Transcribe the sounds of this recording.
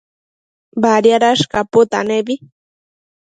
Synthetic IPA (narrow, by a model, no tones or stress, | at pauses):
baɾjaɾaʃkapʊt̪a̰nebi